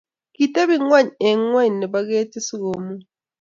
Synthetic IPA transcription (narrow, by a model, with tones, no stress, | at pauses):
ki˨te˦βi˦ŋwa˦ɲe˨ŋwa˦ɲ˨ni˨ba˦ɣeː˦ti˦si˦ɣo˨mu˦